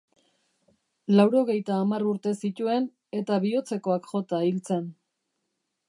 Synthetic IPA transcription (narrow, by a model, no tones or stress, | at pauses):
lawɾo̞ɣe̞jt̪aːmaruɾt̪e̞sit̪ue̞n | e̞t̪aβio̞t͡se̞ko̞akxo̞t̪ailt͡se̞n